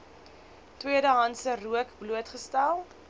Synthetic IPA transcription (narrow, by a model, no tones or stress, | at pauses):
twiədəɦɐnsəruəkbluətχəstælˠ